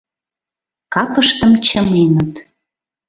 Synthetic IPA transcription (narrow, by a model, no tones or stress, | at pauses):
kɑpəʃt̪əmt͡ɕəmenət̪